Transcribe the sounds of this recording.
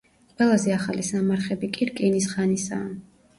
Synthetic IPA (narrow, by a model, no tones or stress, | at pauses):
qʼwɛlˠazɛaχalisamaɾχɛbikʼiɾkʼinisχanisaːn